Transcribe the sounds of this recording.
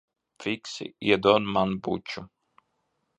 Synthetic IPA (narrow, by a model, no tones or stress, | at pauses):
fiksḭjɛd̪ɔnmanbut͡ʃu